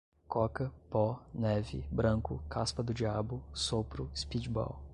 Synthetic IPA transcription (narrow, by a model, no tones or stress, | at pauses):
kɔkɐpɔnɛvɪ̰bɾɐ̃kʊ̰kʰaspɐd̪ʊd͡ʒiabʊsopɾʊɪspid͡ʒbɔ̰w